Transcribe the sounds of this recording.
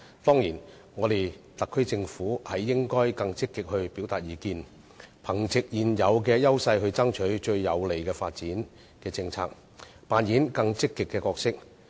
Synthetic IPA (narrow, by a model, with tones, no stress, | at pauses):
t̪ɔː˥ŋjiː˨˩n | ŋɔː˨˧t̪e˨jt̪ɐ˨kʰːɵ˥ɥt͡sɪ˧ŋfuː˨˥hɐ˨˩jːɪ˥ŋkɔː˥jkɐ˧ŋt͡sɪ˥kːɪ˨k̚hɵ˧ɥpiː˨˥wt̪aː˨t̚jiː˨˧kiː˧n | pʰɐ˨˩ŋt͡sɪ˨k̚jiː˨njɐ˨˧wkɛː˧jɐ˥wsɐ˧jɦɵ˧ɥt͡sɐ˥ŋt͡ʃʰɵ˨˥ɥt͡ʃɵ˧ɥjɐ˨˧wle˨˩jkɛː˧faː˧t̚t͡siː˨˥n | kɛː˧t͡sɪ˧ŋt͡sʰa̰ː˧k̚ | paː˨njiː˨˥nkɐ˧ŋt͡sɪ˥kːɪ˨kːɛː˧kɔː˧ksɪ˥k̚